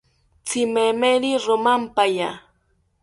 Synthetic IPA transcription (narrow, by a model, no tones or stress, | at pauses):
t͡sɪmemeɾiɾʊmampaja